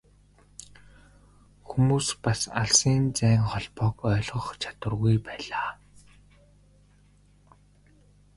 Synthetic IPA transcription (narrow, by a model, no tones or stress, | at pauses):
xumuːspasa̰ɮsiːnt͡sæːŋχɔɮpɔːkœːɮʁɞ̆χt͡ɕʰḁt̪wə̆rɣujpæːɮaː